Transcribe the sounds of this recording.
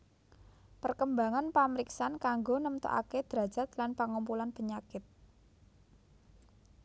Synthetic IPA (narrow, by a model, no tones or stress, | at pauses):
pərkəmbaŋanpaməɾiksankaŋɡonəmt̪o̰ʔa̰ked̪̥ɾḁd͡ʒ̥a̤t̪̚lanpaŋumpulanpəɲakɪt̪̚